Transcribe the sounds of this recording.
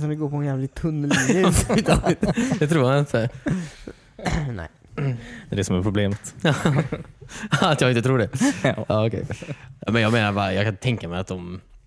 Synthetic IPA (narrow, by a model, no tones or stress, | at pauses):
s̬ɔmd̪ɛɡoːɾpʰɔɛnjæːvlɪt̪ʰɵnːəlt̪ɑːɡlɪt̪d̪ɛt̪ʰɾuːɾhanɪnt̪ʰə | nɛ̰ | d̪ɛsɔmæɾpʰɾʊbleːmət̪ː | at̪jɑːɡɪnt̪ət̪ɾuːɖɛɑːɔkʰɛ̰jaːmɛnjɑːɡmeːnaɾbɑːɾajɑːɡkʰant̪ʰɛŋkamɛat̪̚d̪ɔm